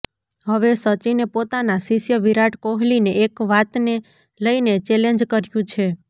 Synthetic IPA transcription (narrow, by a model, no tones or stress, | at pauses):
ɦəʋesət͡ʃinepot̪anasiʃjəʋiɾaʈkoɦlineekʋat̪ne | ləinet͡ʃɛleɲd͡ʒkəɾjũt͡ʃʰe